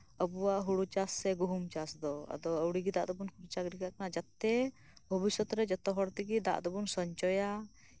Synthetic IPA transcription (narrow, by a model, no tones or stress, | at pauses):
əbuwaʔɦuɽut͡ʃasːɛɡuɦumt͡ʃasd̪ɔa̰d̪ɔəwɽiɡid̪a̰ʔd̪ɔbunkʰuɾt͡ʃaɡɾiɡaʔkanad͡ʒat̪ːɛ | bʱɔbisɔt̪ɾɛd͡ʒɔt̪ɔɦɔɽt̪iɡid̪a̰ʔd̪ɔbunsɔɲt͡ʃɔja